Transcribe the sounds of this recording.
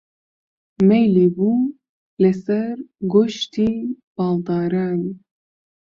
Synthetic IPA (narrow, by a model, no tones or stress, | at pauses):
mɛjlebuː | lɛsɛɾɡoʃt̪ʰiːb̥ɑːld̪ɑːɾɑːn